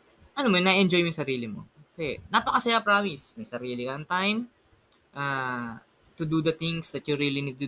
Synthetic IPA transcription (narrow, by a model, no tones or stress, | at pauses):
ʔɐnomonɐʔʔɛnd͡ʒo̞jmoj̃sɐɾiːlɪmo̰kɐsɛnɐpɐkɐsɐjapɾaːmɪsmɐjsɐɾiːlɪkɐɐnt̪ajm | ʔa | t̪ʊd̪ud̪ɐt̪ɪŋsd̪ɐt̪̚jʊɾiːlinid̪̚t̪ʊ